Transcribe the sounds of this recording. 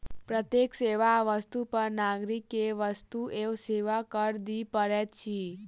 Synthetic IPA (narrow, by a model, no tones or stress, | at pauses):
pɾət̪jekseʋaʋəst̪upəɾnaɡɾikeʋəst̪uʔeseʋakəɾd̪ipəɾet̪t͡ʃʰi